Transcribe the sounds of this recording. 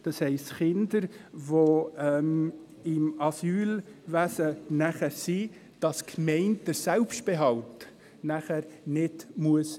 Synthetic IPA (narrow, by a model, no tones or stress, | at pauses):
d̥ɑshɛɪstχɪndəɾʋoɛm | ɪmɑsyːlʋæsənæχæɾsi | d̥ɑskʰmɛɪnt̚d̥əɾsɛlpʃtb̥eɦɑlt | næχæɾnɪdmuəs